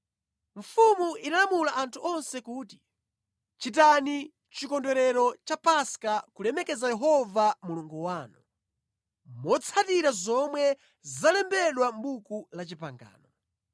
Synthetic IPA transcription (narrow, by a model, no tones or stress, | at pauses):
ɱfumuʔinalamulaʔantʰuɔnsɛkuːti | t͡ʃit̬ani | t͡ʃikɔndɛɾɛɾɔt͡ʃapaskakulɛmɛkɛzajɛɦɔvamuluŋɡuwaːnɔ | mɔt͡sʰatiɾazɔmwɛ | zalɛmbɛɗwam̩bukulat͡ʃipa̰ŋɡa̰ːnɔ